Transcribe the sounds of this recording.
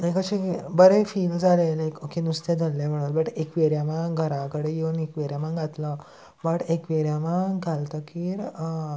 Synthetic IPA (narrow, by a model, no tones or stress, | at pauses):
ekəɕibəɾefiːld͡zʱalelekokenust̪ed͡zʱəlːem̤əɽ̃ulbəʈekʋeɾjamãɡʱəɾãkəɽejenekʋeɾjamãɡʱat̪lə | bəʈekʋeɾjamãɡʱalt̪əkiːɾ